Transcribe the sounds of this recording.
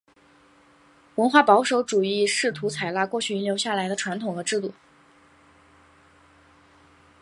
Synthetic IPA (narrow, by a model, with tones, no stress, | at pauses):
wə˧˥nxwa˥˩pɑ˧˥ʊʂo˧˥ʊʈ͡ʂu˨˩i˥˧ʂɻ̩˥˩t̪ʰu˧˥t͡sʰa˨˩ɪla˥˧kwɔ˥˧t͡ɕʰy˥˩i˧˥nljo˧˥ʊɕja˥˩la˧˥ɪd̪ə˧ʈ͡ʂʰwa˧˥nt̪ʰʊ˨˩ŋxɤ˧˥ʈ͡ʂɻ̩˥˧t̪u˥˩